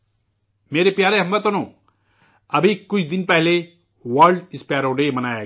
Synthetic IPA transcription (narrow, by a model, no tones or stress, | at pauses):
meːɾepjaːɾeɦɐmbət̪onõ | ɐbʱikʊt͡ʃʰd̪ɪnpɛɦle | ʋəɾɖɪspjaːɾoɖeːmɐnaːja